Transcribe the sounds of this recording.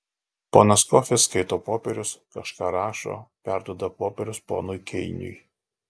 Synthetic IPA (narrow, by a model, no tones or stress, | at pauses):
poːnɐskɔxʲɛskɐɪt̪oːpoːpʲɛɾʲʊskɐʃkɑːɾɑːʃo̰ːpʲæˑɾd̪uɔd̪ɐpoːpʲɛɾʲʊspo̰ːnʊjkʲʰɛɪnʲʊ̰j